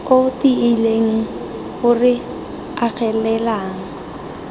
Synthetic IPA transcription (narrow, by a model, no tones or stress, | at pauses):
otiɪleŋ̩ | ɣʊrɪ | ak͡xʰɛlɛlaːŋ̩